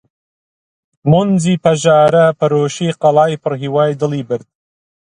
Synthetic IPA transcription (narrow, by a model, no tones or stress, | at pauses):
monziːpʰɐʒaːɾɐpʰɐɾoːʃiːqɐlɑːjpʰɨɾɦiwɑːjd̪ɨlˠiːbɨɾd̪̥̚